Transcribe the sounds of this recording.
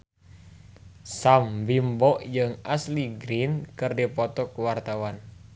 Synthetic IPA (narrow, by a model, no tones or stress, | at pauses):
sambimbɔʔjɨŋasliɡɾinkɨrdipɔt̪ɔkuwart̪awan